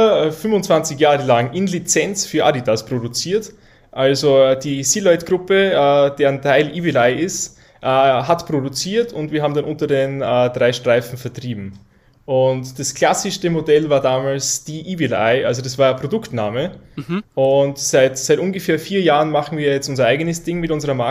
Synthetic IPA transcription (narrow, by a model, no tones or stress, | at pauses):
ɐɛfʏmvʊnt͡sv̥ant͡sɪçjaːʁəlaŋʔɪnlit͡sɛnt͡sfyːɐʔa̰ditʰaspʁ̥odut͡siːɐt | ʔalzod̥iːsiːlɔɪtɡ̥ʁʊpəɛːd̥eːɐntʰaɪlʔiːvilaɪʔɪst | ʔɛɦatpʁ̥odut͡siːɐtʰʊntviːɐaːbm̩danʔʊntɐdenɛːd̥ʁaɪʃtʁ̥aɪfn̩fɛɐtʁ̥iːbm̩ | ʔʊntd̥askl̥asɪʃtəmodɛlvaːɐdaːmaːlsd̥iːʔivɪla̰ɪʔalzod̥asv̥aːɐpʁ̥odʊktnaːməʔʊntsaɪtsaɪtʔʊnɡəfɛːɐfiːɐjaːʁənmaχn̩viːɐjɛt͡stʊnzɐʔaɪɡənəsd̥ɪŋmɪtʔʊnzəʁɐma